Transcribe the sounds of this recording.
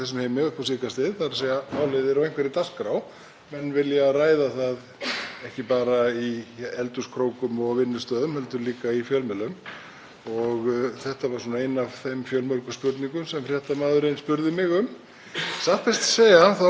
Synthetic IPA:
θɛs̬ːʏmheːjmɪʏhpʰɔsiːkast̪ɪðθaɾaseːjamaːwlɪðɛɾawejŋkvɛɾit̪askɾaw | mɛnvɪljaraːjðaθað | ɛhcɪpaːɾaiɛlt̪ʏskʰɾoːwkʏmɔɣvɪnːʏst̪œːðʏmhɛlt̪ʏɾliːkaifjœlmɛlʏm | ɔɣθɛht̪avaɾ̥uːnaejnav̥θejmfjœlmœɾkʏspʏɾt̪niŋkʏmsɛmfrɾjɛht̪amaːðʏɾejnspʏɾðɪmɪɣʏm | saht̪fɛst̪seːjahanθa

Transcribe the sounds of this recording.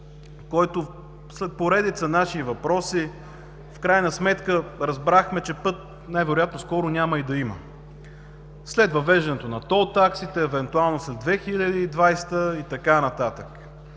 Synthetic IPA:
kɔjt̪o | slɛt̪̚poɾɛd̪it̪sənaʃivɐpɾɔsi | fkɾajnəsmɛt̪kəɾɐzbɾaxmɛt͡ʃɛpɤt̪̚ | najvɛɾʊjat̪noskɔɾʊnʲaməid̪ɐimə̰ | slɛd̪vɐvɛʒd̪ɛnɛt̪onɐt̪ɔt̪aksit̪ɛːvɛnt̪ualˠnoslɛd̪vɛxilʲad̪iːd̪vajst̪əit̪ɐkanɐt̪at̪ək

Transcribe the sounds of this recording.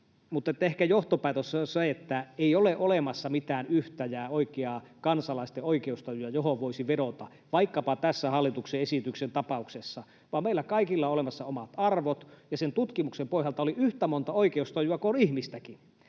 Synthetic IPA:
mut̪ːet̪ːæehkæjoht̪opæːˑt̪ossɑet̪ːæeioleʔolemɑsːɑmit̪æːnyht̪æjæːoikeɑ | kɑnsɑlɑist̪eoikeust̪ɑjuɑjohoʋʋoisiʋedot̪ɑ | ʋɑikːɑpɑt̪æsːæhɑlːˑit̪ukseesit̪yksent̪ɑpɑuksesːɑ | ʋɑːmeilːækɑikilːɑoolemɑsːɑomɑt̪ɑrʋot̪jɑsent̪ut̪kimuksempoihjɑlt̪ɑoliyht̪æmont̪ɑoikeust̪ɑjuɑkoonihmist̪æki

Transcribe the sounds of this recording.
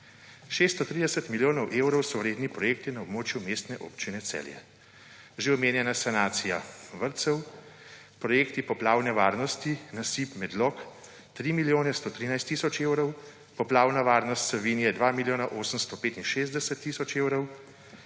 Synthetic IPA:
ʃeːst̪ɔt̪ɾid̪ɛsɛt̪miljoːnɔwʔewɾɔwsɔɾeːd̪nipɾɔjeːk̚t̪inaɔbmoːt͡ʃjumest̪nɛʔo̰ːpt͡ʃinɛt̪sɛ̰ljɛ̰ | ʒeɔmeːnjɛnasanaːt̪sijaʋəɾt̪sɛw | pɾɔjeːkt̪ipɔplaːwnɛʋaːɾnɔst̪inasipmɛd̪lɔk | t̪ɾiːmiljoːnɛst̪oːt̪ɾiːnajst̪ːisɔt͡ʃewɾɔw | pɔplaːwnaʋaːɾnɔst̪sɛʋinijɛd̪ʋaːmiljoːnaʔoːsəmst̪ɔpeːt̪inʃeːzd̪ɛsɛt̪ːiːsɔt͡ʃewɾɔw

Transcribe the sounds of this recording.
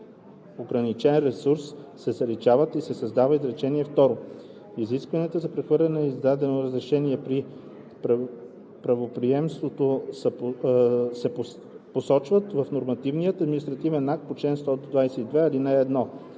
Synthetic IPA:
oɡɾɐnit͡ʃɛnɾɛsuɾssɛzɐɾit͡ʃavət̪isɛsɐzd̪avəizɾɛt͡ʃɛniɛft̪ɔɾo | iziskvɐniɛt̪əzɐpɾɛxvɤɾlʲɛnɛizd̪ad̪ɛnoɾɐzɾɛʃɛniɛpɾi | pɾ | pɾɐvopɾiɛmst̪vot̪osə | sɛpo | posɔt͡ʃvət̪vɐfnoɾmɐt̪ivnijət̪ɐd̪mʲinist̪ɾɐt̪ivɛnːak̚t̪̚pot͡ʃlɛnst̪ɔd̪d̪vajsɛid̪vɛɐlinɛːd̪nɔ

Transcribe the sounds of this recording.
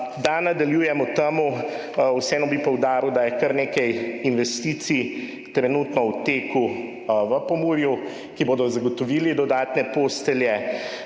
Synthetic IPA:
d̪anad̪aljuːjɛmɔt̪amu | wsɛːnɔbipɔwd̪aːɾid̪ajɛkəɾneːkɛjinʋɛst̪iːt̪si | t̪ɾɛnut̪nɔwt̪eːku | ʋəpɔmuːɾju | kiboːd̪ɔzaɡɔt̪ɔʋiːlid̪ɔd̪aːt̪nɛpoːst̪ɛljɛ

